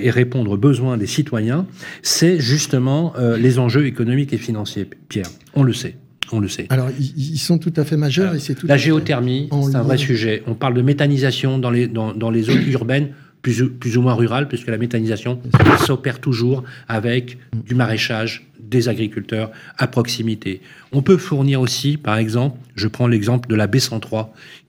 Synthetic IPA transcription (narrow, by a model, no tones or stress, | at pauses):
eʁepɔ̃d̪ʁobəzwɛ̃d̪esit̪wajɛ̃sɛʒyst̪əmɑ̃ølezɑ̃ʒøekɔnɔmikefinɑ̃sjepjɛːʁ | ɔ̃ləsɛ | ɔ̃ləsɛalɔʁiiilsɔ̃t̪ut̪afɛmaʒœʁesɛlaʒeɔt̪ɛʁmiɛt̪ɛ̃vʁɛsyʒɛʔɔ̃paʁld̪əmet̪anizasjɔ̃d̪ɑ̃led̪ɑ̃d̪ɑ̃lezonyʁbɛn | plyzplyzumwɛ̃ʁyʁalpɥiskəlamet̪anizasjɔ̃sɔpɛʁt̪uʒuʁavɛkd̪ymaʁeʃaʒ | d̪ezaɡʁikʲylt̪œʁapχɔksimit̪ʰeɔ̃pøfuʁniʁosipaʁɛɡzɑ̃plʒəpχɑ̃lɛɡzɑ̃pləd̪əlabesɑ̃t̪χwa